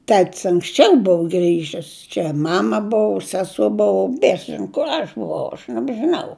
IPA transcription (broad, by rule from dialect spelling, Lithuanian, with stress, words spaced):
ˈtʲɛtʲsʲ ɐŋksʲˈt͡ʃʲɛʊ ˈbʊʋʊ ˈɡrʲiːʒʲɪs t͡ʃʲɛ ˈmɑːmɐ ˈbʊʋʊ ˈsʲæːsoː ˈbʊʋʊ ˈbʲiɛsɐs ˈʒʲɪnoː kʊr ˈɐʃ bʊˈʋɐʊ ɐʃ nʲɛbʲʒʲɪˈnɐʊ